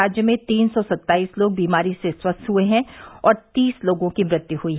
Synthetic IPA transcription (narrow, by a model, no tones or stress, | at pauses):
aːd͡ʒjəmẽt̪iːnsɔsɐt̪ːaːiːsloːɡ̚biːmaːɾiseswɐst̪ɦueɦɛ̃ɔːɾt̪iːsloːɡõkimɾɪt̪juɦuiɦ